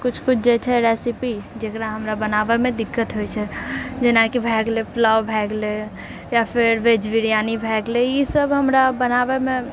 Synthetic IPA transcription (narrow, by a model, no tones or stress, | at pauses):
kut͡ʃʰkut͡ʃʰd͡ʒet͡ʃʰɛɾesipid͡ʒekɾaɦəmɾabənabemẽd̪ikːət̪ɦojt͡ʃʰɛd͡ʒenakibʱɛɡleplawbʱɛɡle | japʰeɾʋed͡ʒʋiɾijanibʱɛɡlejisəbʱɦəmɾabənabeme